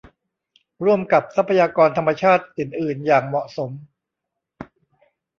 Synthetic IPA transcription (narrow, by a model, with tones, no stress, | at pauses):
ɾu˥˩əmka˨˩p̚sa˦˥pʰːa˧jaː˧kɔː˧nt̪ʰa˧mːa˧t͡ɕʰaː˥˩t̪̚ʔɯː˨˩nʔɯː˨˩njaː˨˩ŋmɔ˨˩ʔso˩˦m